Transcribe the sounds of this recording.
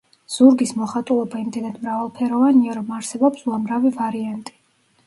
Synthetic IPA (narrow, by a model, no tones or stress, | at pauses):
z̥uɾɡismɔχat̪ʼulˠɔbaimd̪ɛnad̪mɾavalˠpʰɛɾɔvaniaɾɔmaɾsɛbɔpsuamɾavivaɾiant̪ʼi̥